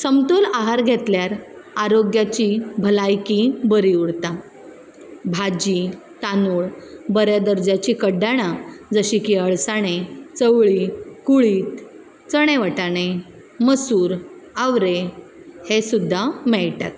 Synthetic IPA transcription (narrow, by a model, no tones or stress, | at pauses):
səmt̪olaɦaɾɡʱet̪ljaɾaɾoɡjat͡ɕibʱəlajkibəɾiuɽt̪a | bʱad͡ʑi | t̪anuːɭbəɾjad̪əɾd͡ʑat͡ɕiːkəɖaɽ̃ad͡zəɕiːkiəɭsaɽ̃et͡səʋɭikuɭiːt̪ | t͡səɽ̃eʋəʈañe | məsuːɾaʋɾehesud̪ʱːamɛɭʈa̰t̪̚